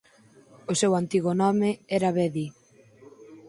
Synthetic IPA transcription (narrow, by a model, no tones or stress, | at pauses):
osewant̪iɣʊnɔmɪɛɾaβɛði